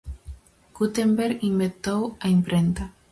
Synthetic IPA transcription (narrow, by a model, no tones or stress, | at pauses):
ɡ̥ut̪embeɾimbent̪owaimpɾent̪a